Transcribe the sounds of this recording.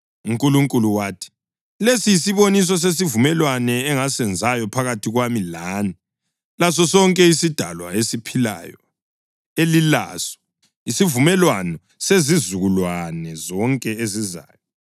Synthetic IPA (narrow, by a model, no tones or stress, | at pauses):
uŋkʼuluŋkʼuluwaːtʰi̥ | lesijisiβonis̬ɔs̬es̬ivumɛlwanɛːŋasɛnd͡zʱajɔpʰaɣatʰiɣwamilaːni | las̬ɔsɔŋkʼɛisid̥ʱa̰lwa̰esipʰila̰jɔ | elila̰sɔ̥ | isivumɛlwanɔ | sezizuɣulwanɛzɔŋkʼɛeziza̰ːjɔ